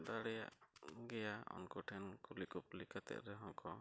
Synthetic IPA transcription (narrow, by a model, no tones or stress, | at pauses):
d̪aɽɛja̰ʔɡɛjaɔ̰nkɔʈʰɛnkɔlikup̚likat̪ɛ̰ʔɾɛɦɔ̃ŋkɔ